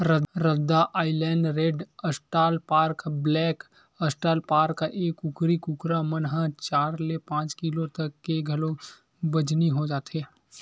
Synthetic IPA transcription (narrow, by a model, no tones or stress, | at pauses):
ɾədɾəd̪ːaʔaːɪlɛːɳɖɾeːɖəsʈaːlpaːɾkblɛːk | ɐsʈaːlpaːɾkːaʔeːkʊkɾikʊkɾamɐnɦãt͡ʃaːɾlepãːt͡ʃkilot̪ɐkːeɡʱɐlo | bɐd͡ʒniɦod͡ʒaːt̪ɦɛː